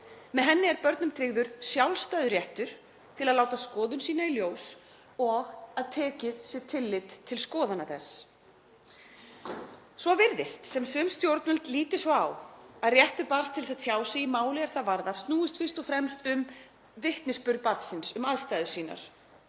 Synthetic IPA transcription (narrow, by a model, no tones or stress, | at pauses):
mɛðɦɛnːɪɛɾpœɾt̪nʏmt̪ʰɾɪɣðʏɾ̥sjawlst̪ajðʏɾjɛht̪ʏɾ̥ | t̪ʰɪlaðlaːwt̪askɔːðʏnsiːnailjoːws | ɔɣaðt̪ʰɛːcɪðsjɪt̪ʰɪlːɪt̪t̪ʰːɪlskɔːðanaθɛs | svɔvɪɾðɪst̪sɛmsʏmst̪jowɾt̪nʏlt̪liːt̪ɪsɔawaðrjɛht̪ʏɾpaɾ̥st̪ʰɪls̬ɛðsʰjaːwsɪɣimaːwlɪɛɾ̥θaðvaɾðast̪nuːɪst̪fɪr̥st̪ɔfɾɛmst̪ʏm | vɪht̪nɪspʏɾðpaɾt̪sɪnsʏmaðst̪aːjðʏ̥siːna̰ɾ̥